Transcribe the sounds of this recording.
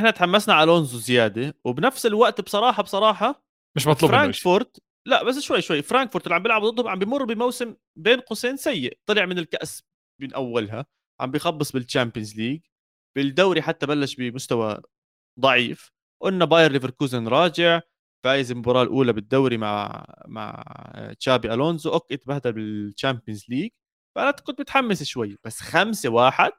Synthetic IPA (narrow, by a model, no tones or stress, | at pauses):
ʔɪħnat̪ħamːasnaʕalʔʊnzuzɪjaːd̪ewɪbnafsɪlwaʔt̪bsˤɑɾˤɑːħɑbsˤɑɾˤɑːħɑ | mɪʃmɑt̪ˤluːfɾaːŋfʊɾˤt̪ | laʔbasːʃwajːʃwajːfɾaːŋkfʊɾt̪ɪlːʕambjɪlʕabd̪ɨd̪ːhʊmʕambɪjmʊrˤːbɪmawsɪm | beːnqʊseːnsajːɪʔt̪ˤːɨlɪʕmɪnɪlkaʔs | bɪnʔawːalɦa | ʕa̰mbɪjxɑbːɨsˤbɪlt͡ʃampɪjɪnzliːɡ̚ | b̥ɪld̪awɾiħat̪ːabalːaʃbɪmʊst̪awa̰ | d̪ˤɑʕiːf | ʔʊnːabɑːjɪɾˤlɪvɪɾˤkuːzanɾˤɑːd͡ʒɪʕ | faːjɪzɪlmʊbɾˤɑːlʔuːlabɪd̪ːawɾimaʕma̰ʕt͡ʃaːbiʔaloːnzʔakːʔɪt̪bahd̪abɪlt͡ʃampjɪnzliːɡ | faʔanat̪qʊd̪̚bɪt̪ħamːɪsʃwajːb̥asːxamsewaːħɪd̪̥̚